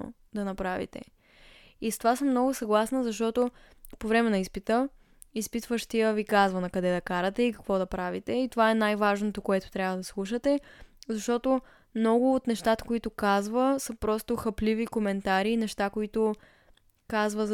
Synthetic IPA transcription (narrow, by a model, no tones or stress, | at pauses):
o̰ | d̪ɐnɐpɾavḭt̪ɛ̰ | ist̪ovasəmːnɔɡʊsɐɡlˠasnəzɐʃt̪ɔt̪o | povɾɛmɛnɐispit̪ə | ispit̪vəʃt̪ijəvikazvɐnɐkɐd̪ɛd̪ɐkaɾət̪ɛikɐ̥kvɔd̪ɐpɾavit̪ɛit̪ovaɛnajvaʒnot̪okoɛt̪ʊ̥t̪ɾʲavəd̪ɐslˠuʃət̪ɛzɐʃt̪ɔt̪o | mnɔɡʊːt̪nɛʃt̪at̪ə̥koit̪ʊkazvəsəpɾɔst̪oxɐplivikomɛnt̪aɾiːnɛʃt̪akoit̪ʊ | kazvəz